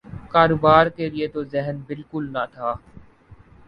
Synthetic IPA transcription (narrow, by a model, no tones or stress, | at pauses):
kaːɾoːbaːɾkelɪet̪ozɛɦnbɪlkʊlnɐt̪ʰaː